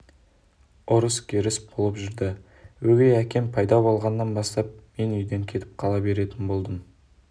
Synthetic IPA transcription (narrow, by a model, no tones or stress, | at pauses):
ʊɾəskʲʰeɾɪsbʰolˠəpʒʏɾd̪ɪ | wɵɡʲejækʲe̞mpʰɑjd̪ɑbolˠʁɑnːɑnbɑst̪ɑp̚me̞nʏjd̪e̞ŋkʲʰe̞t̪ɪ̥p̚qʰɑlˠɑbe̞ɾe̞t̪ɪnbo̞lˠd̪əm